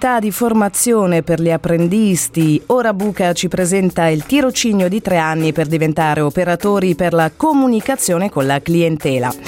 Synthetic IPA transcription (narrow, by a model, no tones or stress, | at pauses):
t̪ad̪iformat̪sːjoːneperʎiapːɾend̪ist̪ioːɾabuːkat͡ʃipɾezɛnt̪ailt̪iɾot͡ʃiːnjod̪it̪ɾeanːiperd̪ivent̪aːɾʔeopeɾat̪oːɾiperlakomunikat̪sːjoːnekonlaklient̪ɛːla̰